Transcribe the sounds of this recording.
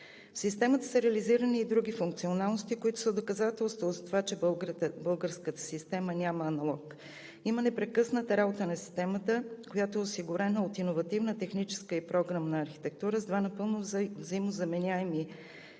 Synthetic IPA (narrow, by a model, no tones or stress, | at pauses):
fsist̪ɛmət̪əsəɾɛəliziɾəniːd̪ɾuɡʲifuŋk̚t̪sionalˠnost̪ikoit̪ʊ̥səd̪okɐzat̪ɛlˠst̪vozɐt̪ovat͡ʃɛbˠbɤlˠɡəɾskət̪ə̥sist̪ɛmənʲaməːnɐlˠɔk | imənɛpɾɛkɤsnət̪əɾabot̪ənɐsi̥st̪ɛmət̪əkojat̪oɛʊsiɡʊɾɛnəot̪inovɐt̪ivnət̪ɛxnit͡ʃɛ̥skəipɾɔɡɾamnɐɐɾxi̥t̪ɛk̚t̪uɾəzd̪vanɐpɤlˠnovzɐimozɐmɛnʲaɛmi